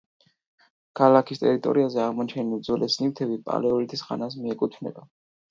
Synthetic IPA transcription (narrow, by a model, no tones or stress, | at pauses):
kʰalakʰist̪ʼɛ̰ɾit̪ʼɔ̰ɾiazɛaʁmɔt͡ʃʰɛnilˠd̪zɔlʔɛsnivt̪ʰɛbipʼa̰lɛɔlit̪ʰisχa̰nas̬miɛkʼut̪ʰnɛ̰b̪a